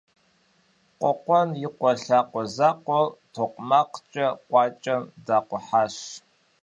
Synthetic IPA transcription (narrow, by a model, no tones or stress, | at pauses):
qʷʼɔqʷɔnjɪqʷɔɬaːqʷɔzaːqʷɔtʰoqʷmaqt͡ʃʼɐqʷʼɑːt͡ʃʼɐmdaːqʷɔħaːɕ